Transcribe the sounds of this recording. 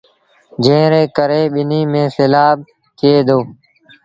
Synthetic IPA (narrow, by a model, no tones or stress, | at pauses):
d͡ʒẽːɾeːkəɾeːɓɪniːmẽːselaːɓ̚ | kɪeːd̪oː